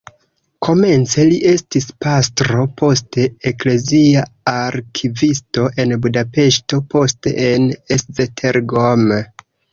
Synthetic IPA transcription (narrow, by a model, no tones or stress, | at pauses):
kʰo̞me̞nt͡se̞liʔe̞stispastɾo̞po̞ste̞ekle̞ziaaɾkʰivisto̞ʔe̞nbudape̞ʃto̞po̞stḛʔeneszetʰeɾɡom